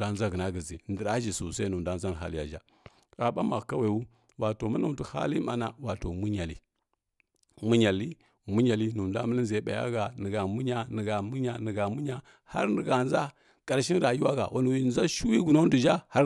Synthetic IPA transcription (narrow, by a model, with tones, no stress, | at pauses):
a˦n˦za˦ɡə˨na˦ɡə˨zḭ˨ndə˨ɾa˦ʒi˨su˨sa˦nu˨m˨da˦n˦za˦n˨ɦa̰˦li˦ja̰˨d͡ʒa̰˨ | ka˨ɓa˦ma˨ɣka˦wa˨u˦ | wa˨to˨ma˦na˦˨du˨ha̰˦li˦ma˨na˨wa˨to˨mu˦ɲa˨lḭ˦ | mu˦ɲa˨li˦ | mu˦ɲa˨li˦nu˨mda̰˦mə˦li˦nze˨˦ɓa̰˨ja̰˦ɡa˨nə˨ɡa˨mu˦ɲa˦nə˨ɡa˨mu˦ɲa˨nə˨ɡa˨mu˦ɲa˦ | ha̰˦ɾnə˨ɡa˨nza˦ | kʼa˨ɾʃi˦ɾa˨ju˦wa˦ɡa̰˨wʔa˨˦n˨wi˨n˦za˦ʃu˦wi˦ɡu˨na˦du˨d͡ʒa˦ha˦